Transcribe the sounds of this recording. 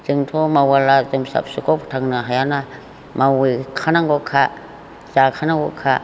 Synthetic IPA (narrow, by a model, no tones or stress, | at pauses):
t͡ʃɯŋtʰɔmawalazɯmsa̰p̚sukɔpʰtʰaŋnɯɦajana | mawikʰanaŋɡɔkʰa | zakʰanaŋɡɔ̰kʰa